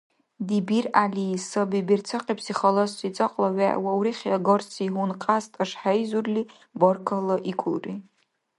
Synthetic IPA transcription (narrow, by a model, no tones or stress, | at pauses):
dibiralisabibirt͡sʰaqʼipʰsiχalosit͡sʼaqʼlaɥa̰ʔwawɾiχʲaɡorsiɦunqʼastʼaʂħajzurli | borkʰalaʔikʷʰʊlrʼi